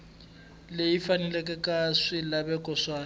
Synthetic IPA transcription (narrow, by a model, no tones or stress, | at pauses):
lejifanɛlɛkʼɛkʼaswɪlabɛkʼɔswaː